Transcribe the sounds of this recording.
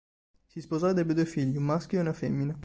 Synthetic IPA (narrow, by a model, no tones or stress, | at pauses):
sispozɔd̪ɛbed̪uːefiʎːiumːaskʲjoɛunafemːine